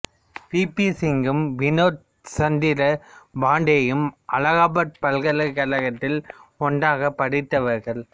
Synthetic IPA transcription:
piːpisɪŋɡɯmʋɪnoːʈ | sɐnd̪ɪɾɐbaːɳɖejɯmʔɐlɐɣaːbɐʈ̚pɐlɣɐlɐkːɐlɐɣɐt̪ːɪlɔɳɖaːɣɐpːɐɽɪt̪ːɐʋɐɾɣɐɭ

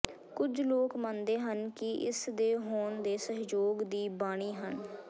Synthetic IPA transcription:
kʊd͡ʒloːkmãnd̪eːɦənkɪʔɪsd̪eːɦoːnd̪eːsəɦd͡ʒoːɡd̪iːbaːɽ̃iːɦən

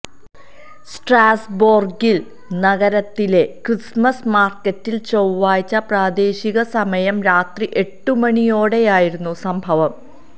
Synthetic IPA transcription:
sʈraːsboːrɡil | nɐɣɐɾɐt̪ːile̞krismɐsmaːrkːɐtːilt͡ɕowːaːjt͡ɕːɐpraːd̪e̞ːɕiɣɐsɐmɐjɐmɾaːt̪riʔe̞ʈːumɐɳijo̞ːɽe̞jaːjiɾunːusɐmbʱɐʋɐm

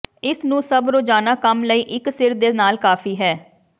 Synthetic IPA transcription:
ɪsnũːsəbɾoːd͡ʒaːnaːkəmləiːʔɪksɪɾd̪eːnaːlkaːfʰiːɦɛː

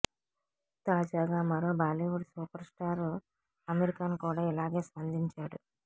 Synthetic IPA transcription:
t̪aːd͡ʒaːɡaːmɐɾoːbaːliʋuɽsuːpɐɾsʈaːɾ | ɐmeɾikaːnukuːɽaːilaːɡe̞ːspɐnd̪ʱiɲt͡ʃaːɽu

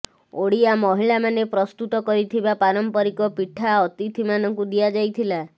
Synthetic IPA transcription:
oɽiamɔɦiɭamanepɾɔst̪ut̪ɔkɔɾit̪ʰibapaɾɔmpɔɾikɔpiʈʰaɔt̪it̪ʰimanɔŋkud̪iad͡ʒajt̪ʰila

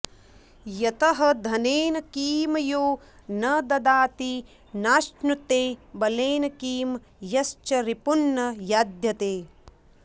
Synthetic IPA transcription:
jɐt̪ɐɦɐd̪ʱɐneːnɐkiːmɐjoː | nɐd̪ɐd̪aːt̪i | naːʃnut̪eːbɐleːnɐkiːm | jɐst͡ʃɐɾipunːɐjaːd̪jɐt̪eː

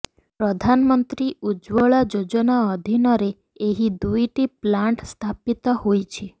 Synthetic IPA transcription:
pɾɔd̪ʱanmɔnt̪ɾiud͡ʒʋɔɭad͡ʒod͡ʒɔnaɔd̪ʱinɔɾe | eɦid̪ujʈiplaɳʈst̪ʰapit̪ɔhojt͡ʃʰi

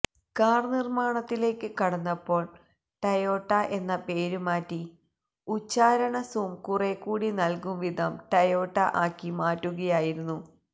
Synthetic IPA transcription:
kaːrnirmaːɳɐt̪ːile̞ːkːɨkɐɽɐnːɐpːo̞ːɭ | ʈɐjo̞ːʈːɐʔe̞nːɐpe̞ːɾumaːtːi | ut͡ɕːaːɾɐɳɐsuːmkurekːuːɽinɐlkumʋid̪ʱɐmʈɐjo̞ːʈːɐʔaːkːimaːtːuɣɐjaːjiɾunːu

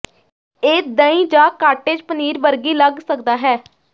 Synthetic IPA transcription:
eːd̪əĩːd͡ʒãːkaːʈeːd͡ʒpəniːɾʋəɾɡiːləɡsəkd̪aːɦɛː

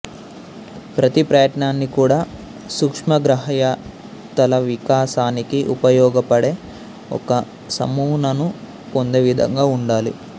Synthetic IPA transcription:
pɾɐt̪ipɾɐjɐʈɳaːnːikuːɽaː | sukʂmɐɡɾɐɦɐjaː | t̪ɐlɐʋikaːsaːnikiʔupɐjɔːɡɐpɐɽe̞ː | ɔ̰kɐ | sɐ̰muːnɐnu | po̞nd̪eːʋid̪ʱɐ̰ŋɡaːuɳɖaːlḭ

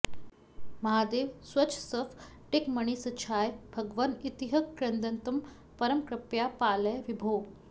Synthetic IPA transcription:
mɐɦad̪eʋsʋɐt͡ɕʰsəfʈekməɳ̃isɐt͡ɕʰaːjbʱəɡʋənit̪iɦəkːɾənd̪ənt̪əm | pɐɾəmkɾɐpjapaləjʋibʱo

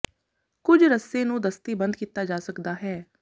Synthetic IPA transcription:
kʊd͡ʒɾəsːeːnũːd̪əst̪iːbənd̪̚kiːt̪aːd͡ʒaːsəkd̪aːɦɛː

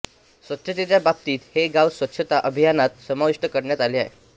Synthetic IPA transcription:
sʋət̪ɕət̪̬et͡ɕjabab̚t̪iːt̪heɡaʋsʋətːɕʰət̪aʔəbʱijanat̪̚səmaʋiʂʈəkəɾɳjat̪aliːaɦe

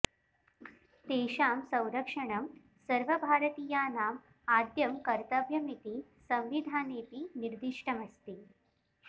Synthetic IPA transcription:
t̪eɕaːmsə̃w̃ɾəkʂəɳɐm | səɾʋəbʱaːɾət̪iːjaːnaːm | ad̪jɐmkəɾt̪əbʱjɐmit̪iːsɐ̃mʋid̪ʱaːnet̪iːniɾd̪iʂʈʰɐmɐst̪iː

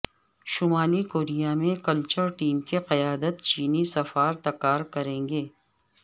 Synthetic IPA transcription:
ʃʊmaːlikoːɾijamẽkɐlt͡ʃəɾʈiːmkeqɐjaːd̪ət̪t͡ʃiːnisɐfaːɾt̪ɐkːaːɾkɐɾẽːŋɡeː

